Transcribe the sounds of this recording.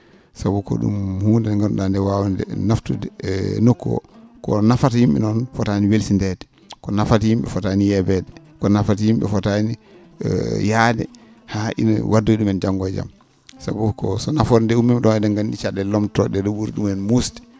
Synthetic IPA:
sabukɔ̰ɗṵmhuːndɛŋɡam̰ɗandɛwawandɛ̰naftudɛnɔkːɔ̰kɔ̰nafatajimɓɛ̰nɔnfɔtaniwelsindɛdɛ | kɔnafatajimɓɛ̰fɔtanijɛbɛdɛ | kɔnafatajimɓɛ̰fɔtani | jadɛ̰ | haʔḭn̰wʔadːoiɗumɛnd͡ʒaŋɡɔd͡ʒa̰m | sabukɔsɔnafɔɾndɛumːɛmɗɔnɛdaŋɡanɗit͡ʃaɗɛlɔmtɔɗɛɗɔɓuɾɗumɛnmustɛ̥

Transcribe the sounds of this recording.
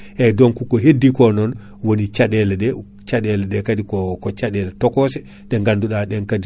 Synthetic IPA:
ʔɛdɔnkukɔɦedːikɔnɔn | wonit͡ʃaɗɛlɛɗɛ | t͡ʃaɗɛlɛɗɛkadikɔkɔt͡ʃaɗɛlɛtɔkɔsɛ | ɗɛŋɡanduɗaɗɛnkadi

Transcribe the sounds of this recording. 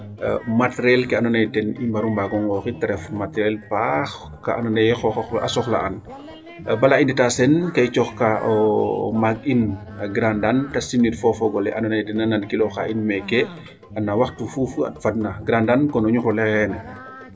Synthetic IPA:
matɾɛlkɛanɔnɛjdɛnimbaɾumbaɡɔŋɡɔxitɛɾɛfmatɾɛlpax | kaʔanɔnɛjxɔxxʔa̰sɔxla̰ʔɐ̰n | bɐlainditasɛnkɐjt͡ʃɔxkaʔɔmaɡ̚in | ɐɡɾandantɐsinitfɔfɔɡɔlɛʔɐnɔnɛjdɛnanankilɔxa̰ʔinmɛkɛ | ɐnːawɐxtufufɐ̰t̚fad̚naɡɾandankɔnɔɲuɾɔlɛxɛnɛ

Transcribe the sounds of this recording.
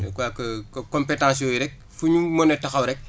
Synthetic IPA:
kwakɐkõmpetãːs̬jɔːiɾɛk̚ | fuɲumonetɐxɐwɾɛk̚

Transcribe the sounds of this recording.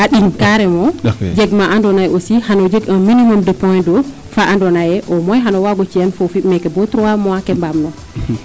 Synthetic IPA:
ʔaɗinkaɾɛmɔd͡ʒɛɡmaʔandɔnajosihanɔd͡ʒeɡaminimɔmdɛpɔjndɔ | faʔandɔnajɛʔɔmɔjɦanɔwaɡɔt͡ʃijanfofimɛkɛbɔtɾɔwamɔwakɛmbamnɔ

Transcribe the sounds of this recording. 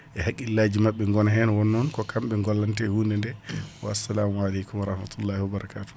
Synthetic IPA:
ʔɛhakːilaːd͡ʒimaɓːɛŋɡɔnaɦɛnawɔnːɔnkɔkʰamɓɛŋɡɔlːantɛhuːndɛndɛwaasːalaːmualɛjkumwaɾɑhmat̪ulːaːhiwabaɾakaːtu̥

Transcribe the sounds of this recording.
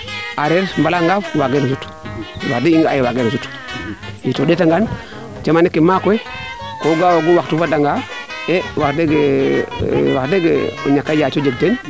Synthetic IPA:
aɾeɾmbalaŋɡafwaɡenasut | wa̰kdiiŋɡajiwaɡenasut | jitodetaŋɡan | d͡ʒamanikːimakwekoɡawoɡuwaktufadaŋɡa | ewakdeɡe | wakdeɡḛo̰ɲakːad͡ʒat͡ʃod͡ʒeɡ̚ten

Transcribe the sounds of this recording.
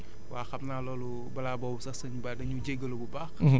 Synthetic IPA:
waːxɐp̚nalɔlu | bɐlabɔwsɐsəɲbadɐɲud͡ʒɛɡəlububax

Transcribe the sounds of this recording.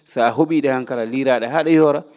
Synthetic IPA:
saaɦoɓiːɗɛhaŋkalaliɾaːɗɛɦaɗɛjɔɾa

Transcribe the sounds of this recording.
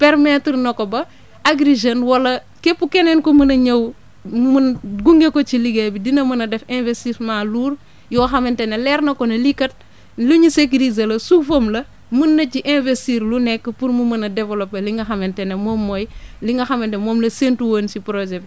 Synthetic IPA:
pɛɾmɛtrnɐkɔbɐ | aɡɾiʒenwɐlɐ | kepːukɛnɛnkɔmɐnɐɲɐw | mnɡuŋɡekɔt͡ʃiliɡebidinɐmɐnɐdɛfɛ̃nvestismaːluːr | jɔːxɐmɛntɛnelɛrnɐkɔnɐlikɐt̚ | luɲusekɾizɐlɐsufomlɐ | munːɐciʔɛ̃nvestiɾlunɛkːəpuɾmumɐnɐdɛvɛlɔpːeliŋɡɐxɐmɛntɛnemɔːmːɔːjliŋɡɐxɐmɛntɛmɔːmlɐsentuwoːnsipɾoʒɛ

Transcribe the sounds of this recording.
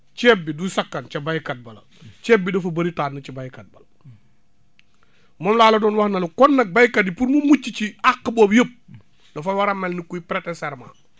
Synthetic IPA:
t͡ʃebːidusɐkːɐnt͡ʃɐbajkɐt̚bɐlɐ̰ | t͡ʃeːbːidufɐbɐɾitaːnːɐt͡ʃibajkɐt̚bɐl | mɔːmlaːlɐdɔːnwahnɐlukɔnːɐk̚bajkɐt̚ːipuɾmumut͡ʃːit͡ʃiakːəboːbjəp̚ | dɐfawɐɾɐmːelnikuipɾetesɛɾma̰

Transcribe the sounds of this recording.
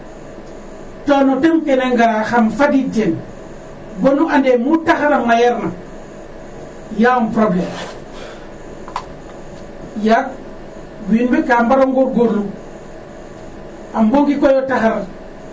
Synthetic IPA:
tonɔtemkeneŋɡaɾaxamfaditen | bonuʔandemutaxaɾamːajaɾna | jampɾoblem | jak̚ | winbekambaɾoŋɡoɡolːu | amboŋɡikojotaxaɾa

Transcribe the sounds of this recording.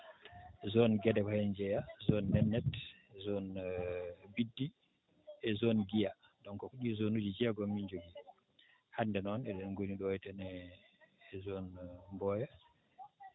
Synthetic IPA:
zɔnɡɛdɛkɔhɛnd͡ʒɛjazɔnːɛnːɛt | zɔn | bidːi | ɛzonɡija | ɗɔnkɔkuɗizonud͡ʒid͡ʒɛɡɔmːiɲd͡ʒoɡi | handɛnɔnɛɗɛnɡoniɗɔjtɛnɛː | zonmbɔja

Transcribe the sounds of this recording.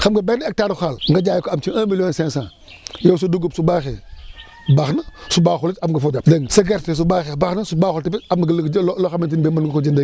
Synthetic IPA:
xamɡəbenek̚taɾxalŋɡad͡ʒajkoamt͡ʃiãmiljonsẽŋsã | jows̬uduɡubsubaxe | baxnasubaxulit͡ʃamɡəfod͡ʒapdəŋsaɡeɾtes̬ubaxebaxnasubaxltipiamloxamintinbemanɡkod͡ʒinde

